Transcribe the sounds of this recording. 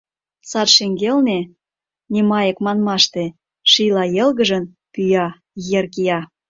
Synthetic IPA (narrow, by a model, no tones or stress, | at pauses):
sɑt̪ʃeŋɡelne | nemɑjəkmɑnmɑʃt̪e | ʃilɑjelɣə̆ʒə̆n | pyjɑ | jerkijɑ